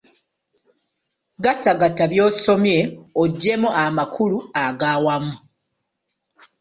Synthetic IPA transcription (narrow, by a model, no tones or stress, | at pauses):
ɡataɡataβjo̞ːso̞mje̞oɟːe̞muʔamakʰuluaɡaːwamu